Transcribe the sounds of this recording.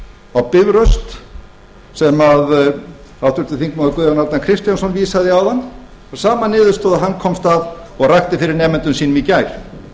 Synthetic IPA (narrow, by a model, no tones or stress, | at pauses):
awpɪvɾœst̪ | sɛmað | awt̪ʏɾt̪ɪθiŋkmaðʏkʏðanaɾt̪nakʰɾɪst̪jansɔnviːsaðɪawðanː | aɾsaːmanɪːðʏ̥st̪ɔːðaɦankʰɔmst̪avɔɣrajxt̪ɪfɪɾɪɾnɛːmɪnt̪ʏnsiːnʏmicajɾ̥